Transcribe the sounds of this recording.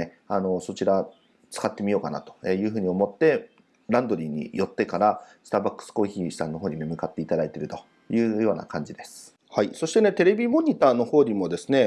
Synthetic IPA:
e | ano̞so̞t͡ɕiɾa | t͡sɨ̥kat̪ːe̞mʲijo̞ːkana̰t̪o̞̥ejɯ̟ːɦɯ̟ːɲ̟io̞mo̞t̪ːe̞ | ɾãnd̪o̞ɾʲiːɲ̟ḭjo̞t̪ːe̞kaɾasɨ̥t̪aːbakːɯ̥sɨ̥ko̞ːçiːɕi̥sãnːo̞ɦoːɲ̟imemɯ̟kat̪ːe̞it̪ad̪ait̪e̞ɾɯ̟t̪o̞ | jɯ̟ːjo̞ːna̰kãɲ̟d͡ʑid̪e̞sɨ̥ | haiso̞ɕi̥t̪e̞ne̞t̪e̞ɾe̞bʲimo̞ɲ̟ʲit̪aːno̞ho̞ːɲ̟imo̞d̪e̞sɨne̞

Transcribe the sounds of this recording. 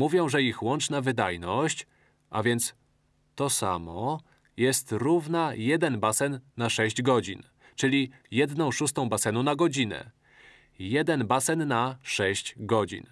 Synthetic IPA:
muvʲjɔ̃w̃ʐɛixwɔnt͡ʂnavɘd̪ajnɔɕt͡ɕ | ʔa̰vʲjɛnt̪s | t̪ɔsa̰mɔ | jɛst̪ɾuvnajɛd̪ɛnbasɛnːaʂɛɕd͡ʑɡɔd͡ʑin | t͡ʂɘlʲi | jɛd̪nɔ̃w̃ʂust̪ɔ̃w̃basɛnunaɡɔd͡ʑinɛ̰ | jɛd̪ɛnbasɛnːaʂɛɕt͡ɕɡɔd͡ʑḭn

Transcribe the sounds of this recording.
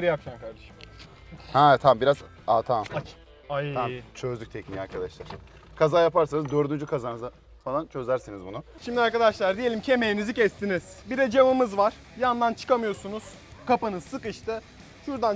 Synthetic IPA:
ɾiakʃankaɾd̪eʃm | hɛt̪ʰambiɾaz | at̪ʰamat͡ʃ | aamt͡ʃʰø̞zd̪yc̚ʲt̪ʰɛcmiaɾkʰad̪aʃlˠaɾ̥ | kʰazaːjapaɾsanɯzd̪øɾd̪ynd͡ʒykʰazaːnɯza | falˠant͡ʃʰøzæɾsenizbunuʃimd̪ʲiaɾkad̪aʃlˠaɾd̪ijelʲimcʰe̞mejinizicʰɛst̪ʰiniz̥biɾɛd͡ʒamɯmɯzvaɾ̥ | jand̪ant͡ʃʰɯ̥kamɯjo̞ɾsunuz̥ | kʰapɯnɯzsɯkɯʃt̪ʰɯ | ʃuɾd̪an

